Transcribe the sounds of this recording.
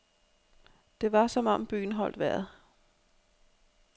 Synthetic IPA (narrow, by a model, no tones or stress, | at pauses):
d̥e̝ʋɑ̈sɒ̽mɒ̽mb̥y̰ːn̩ɦɒ̽l̰d̥ʋæɐð̩ˠ